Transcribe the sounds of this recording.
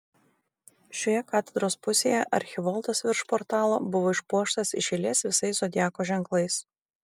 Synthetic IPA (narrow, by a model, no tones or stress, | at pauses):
ʃʲoːjɛkɑːt̪ʲɛd̪ɾoːspʊsʲeːjɛʔɐ̰ɾʲxʲɪʋɔlˠt̪ɐsʋʲɪɾʃpɔːɾt̪ɑːlˠoːbʊʋoːɪʃpuɔʃt̪ɐsɪʃʲɛlʲiːsʋʲɪsɐɪsod̪ʲjæːkoːʒʲɛŋklˠɐɪs